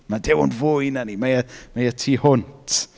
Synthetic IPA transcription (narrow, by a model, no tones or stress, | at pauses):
madɛwʊ̰nvʊjnanimajəmajətʰiːhʊntʰ